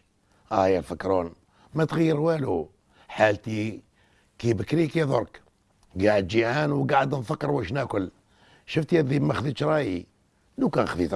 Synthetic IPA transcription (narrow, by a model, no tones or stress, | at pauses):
ʔæjælfəkːɾun | mæt̪ɣəjːəɾwælu | ħalt̪i | kibəkɾikiðˤoɾˤk | ɡaʕəd̪d͡ʒiʕanwɡaʕəd̪nfəkːəɾwæʃnækʊl | ʃəft̪jæd̪ibmæxðit̪ʃɾˤɑji | lukænxðit̪